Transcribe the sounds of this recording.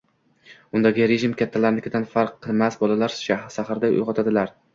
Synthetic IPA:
ʊnd̪aɡʲɪɾeʒɪmkʲat̪ʰːalaɾlɪkʲɪd̪anfaɾqʰːɨlˠmasbɒlalaɾʃaʃahɾd̪aʊ̰jʁɒt̪ʰad̪ɪlaɾ

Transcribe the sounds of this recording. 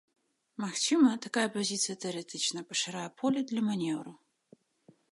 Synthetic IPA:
mɐxt͡ʃɨmɐt̪ʰɐkajɐpʰɐzʲit̪sʰɨjɐt̪ʰɨɾɛt̪ʰɨt͡ʃnɐpʼɐʂɐɾajɐpʰolʲɐd̪lʲɐmɐnʲɛvɾɨ

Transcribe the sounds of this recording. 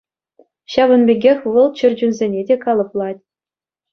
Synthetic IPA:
ɕɑʋɤ̆nmʲeɡʲexʲʋɤ̆lˠt͡ɕɘ̆rʲd͡ʑynzʲenʲedʲekɑlˠɤ̆plˠɑtʲ

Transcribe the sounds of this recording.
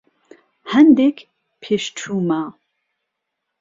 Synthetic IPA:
hɛnd̪ekʰ | pʰeʃt͡ʃʰuːma

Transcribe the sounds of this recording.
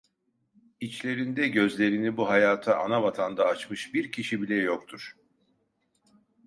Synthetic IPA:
it͡ʃlʲe̞ɾind̪ɛɟø̞zlʲe̞ɾinibuɦajaːt̪ʰaʔanavat̪ʰand̪aːt͡ʃmɯʃbiɾcʰiʃibilʲɛjo̞k̚t̪ʰuɾ̥

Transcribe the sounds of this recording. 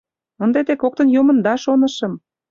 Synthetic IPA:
ənd̪et̪ekok̚t̪ə̆njumə̆nd̪ɑʃonə̆ʃɤ̆m

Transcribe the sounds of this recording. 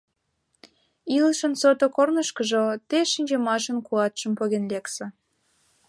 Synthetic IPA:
ilʃənsot̪okornəʃkəʒot̪eʃinʲd͡ʑemɑʃənkuɑt̪ʃə̆mpoɣenleksĕ

